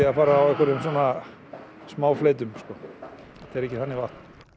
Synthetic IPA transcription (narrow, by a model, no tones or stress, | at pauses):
ɪafaːɾaːwɛhkʏɾʏmsɔːna | smaːwflejt̪ʏmskɔ | t̪ʰɛɾɛhcːɪθanːɪvaht̪n̥